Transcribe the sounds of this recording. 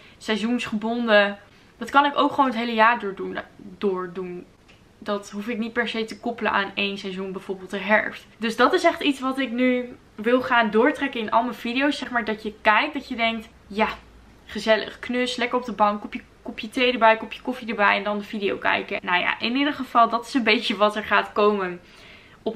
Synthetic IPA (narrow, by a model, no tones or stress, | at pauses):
sɛjzunsχəbɔndə | d̥ɑtkɑnɪkowkχʋownətɦejləjaːɹdʊːɹdundʊːɹdun | dɑtɦufɪk̚nit̚pɛɹsejtəkɔpələ̰ʔaːnejnsɛjzunbɛjv̥oːɹbɪːlˠtəɦɛɹftdɵzdɑtɪsɛχtitsʋɑtɪkny | ʋɪlˠχaːndʊːɹtrɛkənɪnɑ̰lˠməv̥idijowsːɛχmaːɹdɑtjəkɛjk̚dɑtjədɛŋk̚t | ja | χəzɛlə̰χknɵslɛkəɹɔb̚dəbɑŋkɔpjəkɔpjətejdəɹbɛjkɔpjəkɔfidəɹbɛjɛndɑndəvidio̰wkɛ̰jkənowja̰ʔɪnidəχəv̥ɑlˠdɑtɪ̥sənbejcəʋɑtɛɹχaːtkowmən | ɔp